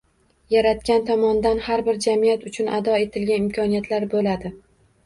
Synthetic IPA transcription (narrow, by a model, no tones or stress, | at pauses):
jaɾat̪̚kʲant̪ʰɒmɒnd̪anhaɾbɪɾd͡ʒamijat̪ʊt͡ʃʰʊnʔad̪ɒe̞t̪ʰɪlɡʲanɪmkʰʲɒnijat̪ʰlaɾbolad̪ɪ